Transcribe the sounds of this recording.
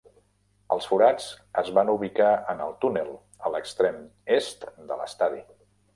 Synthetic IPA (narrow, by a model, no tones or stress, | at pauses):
əlˠsfuɾat͡səzβanuβikaənəlˠt̪unəlˠ | ələkst̪ɾemest̪d̪ə̰lə̰st̪aði